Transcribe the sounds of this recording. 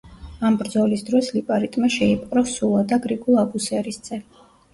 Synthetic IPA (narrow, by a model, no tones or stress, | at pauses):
ambɾd̪zɔlisd̪ɾɔslipʼaɾit̪ʼmaʃɛipʼqʼɾɔsulˠad̪aɡɾiɡulˠabusɛɾisd̪sʼɛ